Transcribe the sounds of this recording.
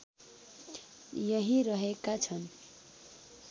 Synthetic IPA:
jʌɦiɾʌɦekat͡sʰʌn

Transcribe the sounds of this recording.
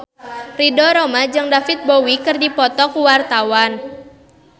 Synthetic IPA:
ridɔɾɔmad͡ʒɨŋdafit̪̚bowikɨrdipɔt̪ɔkuwart̪awan

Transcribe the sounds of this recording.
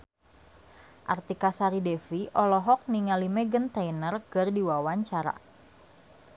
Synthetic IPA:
ʔart̪ikasaɾidɛfiʔɔlɔɦɔk̚niŋalimɛɡənt̪ainərkərdiwawaɲt͡ʃaɾa̰

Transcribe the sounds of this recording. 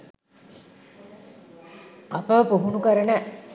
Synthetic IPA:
apəpuɦunukəɾənə

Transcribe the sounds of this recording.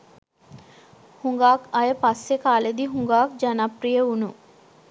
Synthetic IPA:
huŋɡaːkɐjəpɐsːekaːled̪iɦuŋɡaːk̚d͡ʒɐnapɾijəunu

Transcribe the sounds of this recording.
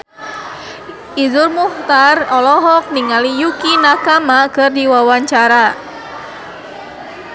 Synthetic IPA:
ʔizʊrmuht̪arɔlɔɦɔk̚niŋalijukinakamakɨrdiwawaɲt͡ʃaɾa

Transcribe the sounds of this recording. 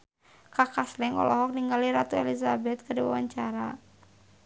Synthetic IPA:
kakaslɛŋɔ̰lɔɦɔk̚niŋɡaliɾat̪uɛlizabɛt̪̚kɨdiwawaɲt͡ʃaɾa

